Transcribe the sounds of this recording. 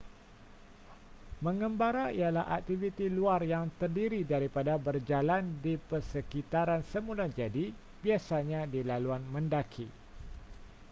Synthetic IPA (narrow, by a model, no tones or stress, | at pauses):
mə̃ŋəmbaɾaḭalaɦa̰k̚t̪ivit̪iluarjaŋt̪ərdiɾidaɾipadabərd͡ʒalandipərsəkit̪aɾansəmulad͡ʒadi | b̥iasaɲãdilaluanmə̃ndakʰi